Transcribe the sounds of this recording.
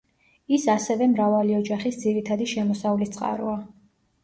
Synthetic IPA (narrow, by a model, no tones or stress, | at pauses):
isasɛvɛmɾavaliɔd͡ʒaχisd̪ziɾit̪ʰad̪iʃɛmɔsaulist̪sʼqʼa̰ɾɔ̰a